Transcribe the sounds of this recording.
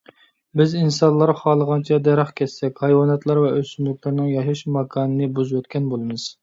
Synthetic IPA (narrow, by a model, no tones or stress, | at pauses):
bɪzinsɑnlˠːɑɾχɑːlˠəʁɑnt͡ʃʰɛd̪ɛɾɑχkʲʰɛsːɛkʲhɑjwɑnɛt̪lˠɑɾvɛʔøsynlykʲlɪɾnɨŋjɑʃɑʃmɑkʰɑːnɨnɨbuzwøt̪kʲɛnbolˠɨmɨz̥